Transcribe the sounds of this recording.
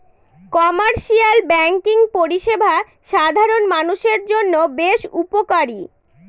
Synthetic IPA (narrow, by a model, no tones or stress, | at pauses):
kɔmaɾʃialbɛŋkiŋpoɾiʃebʱa | ʃad̪ʱaɾonmanuʃeɾd͡ʑonːobeʃupokaɾi